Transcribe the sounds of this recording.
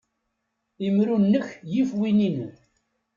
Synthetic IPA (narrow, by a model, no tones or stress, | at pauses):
imɾunːəçjifwininən